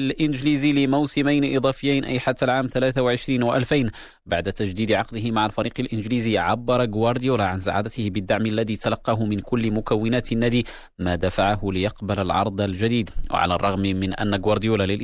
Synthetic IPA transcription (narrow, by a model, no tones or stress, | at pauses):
lʔɪnd͡ʒliːzilɪmawsɪmajnʔɨd̪ˤɑːfɪjːajnʔa̰jħat̪ːalʕaːmθalaːθawaʕɪʃɾiːnwaʔalfajn | baʕd̪at̪aʒd̪iːd̪ʕɑqd̪ɪhɪmaʕalfɑɾiːqɪlʔɪnd͡ʒliːziːʕabːɑɾˤɑɡwɑɾˤd̪ɪjuːlaʕansa̰ʕa̰ːd̪at̪ɪhɪbɪd̪ːaʕmalːaðiːt̪alɑqːɑɦʊmɪnkʊlːɪmʊkawːɪnaːt̪nːaːd̪i | mad̪afaʕahʊlɪjɑqbalalʕɑ̰ɾˤd̪ˤalʒad̪iːd̪wa̰ʕa̰la̰rˤːɑɣmmɪnʔa̰nːaɡwɑɾˤd̪ɪjuːlalɪlʔ